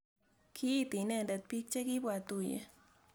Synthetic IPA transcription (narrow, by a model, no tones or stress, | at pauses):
kʰit̪inend̪at̪̚pik̚t͡ʃekibwat̪ujḛ